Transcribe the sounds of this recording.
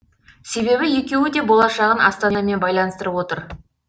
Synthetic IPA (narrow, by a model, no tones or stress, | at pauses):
se̞βe̞βɪje̞kʲe̞wɪd̪e̞bo̞lˠɑʃɑʁənʔɑst̪ɑnme̞nbɑjlˠɑnəst̪əɾəpwo̞t̪əɾ